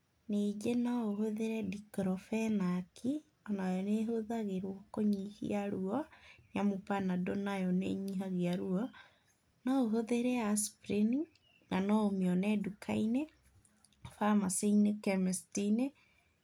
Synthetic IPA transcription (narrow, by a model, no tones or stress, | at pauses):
ned͡ʒenaoɦoðeɾɛdikɾɔfɛnakʰi | ɔnajɔneɦoðaɣeɾwɔkoɲihḭaɾuɔnjamopanadonajɔnḛɲiɦaɣiaɾuɔ | naoɦoðeɾɛaspɾini | nanɔomiɔnɛdukʰaine | famaseinekɛmɛstine